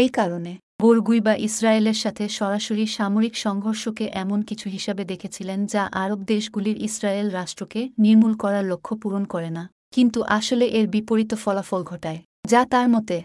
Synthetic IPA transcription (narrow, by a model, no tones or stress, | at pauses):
ejkaɾone | boɾɡujbaʔisɾaeleɾʃat̪ʰeʃɔɾaʃoɾiʃamoɾikʃɔŋɡʱoɾʃokeʔɛmonkit͡ɕʰuɦiʃabed̪ekʰet͡ɕʰilend͡ʑaʔaɾobd̪eʃɡuliɾʔisɾaelɾaʃʈɾokeniɾmulkɔɾaɾlokʰːopuɾonkɔɾena | kint̪uʔaʃoleʔeɾbipoɾit̪ofɔlafolɡʱɔʈae | d͡ʑat̪aɾmɔt̪e